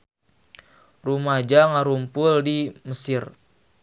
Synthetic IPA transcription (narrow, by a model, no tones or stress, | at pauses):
rumad͡ʒaŋaɾumpʊldiməsɪr